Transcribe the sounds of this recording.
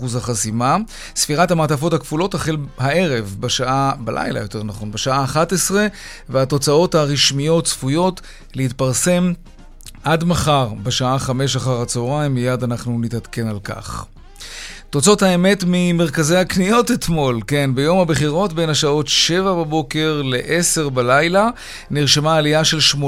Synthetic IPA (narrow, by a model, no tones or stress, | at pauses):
uzaχasima | sfiʁathamaːtafo̞thakfulo̞taχelhae̞ʁe̞vbeʃaʔabalʔa̰jla̰jo̞te̞ʁnaχo̞nbeʃaaːχatesʁe̞ | veato̞t͡sao̞thaʁiʃmijo̞tsfujo̞t | leitpaʁse̞m | ʔadmaχaʁbeʃaaχame̞ʃaχaʁat͡soʁajmːijadanaχnunitatke̞nalka̰χ | to̞t͡so̞thae̞me̞tmime̞ʁ̞kazehaknijo̞tet̪mo̞lke̞nbejo̞mhabeχiʁo̞tbe̞jnaʃao̞tʃe̞vababo̞ke̞ʁle̞ʔese̞ʁbalajla | niʁʃemaːlijaʃe̞lʃmo